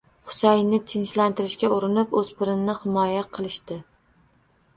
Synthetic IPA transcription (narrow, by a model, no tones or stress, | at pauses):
χʊ̥sajnɪt̪ʰɪnt͡ʃlant̪ɪɾɪʃkʲaʊɾɪnɪpɵzpɪɾɪnnɪhɪmɒjaqʰɨlˠɪʃt̪ɪ